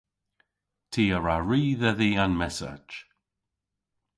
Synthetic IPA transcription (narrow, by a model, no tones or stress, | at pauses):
tʰiːəɹaɹiːðɛðiːanmɛsa̰d͡ʒ